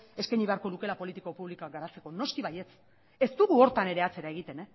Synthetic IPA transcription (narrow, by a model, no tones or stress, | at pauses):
e̞skajɲiβe̞aɾko̞luke̞lapo̞lit̪ikopuβlikoaɡaɾat͡se̞ko̞no̞skiβaje̞t͡s | e̞st̪uɣuo̞ɾt̪ane̞ɾe̞at͡se̞ɾaeɣit̪e̞ne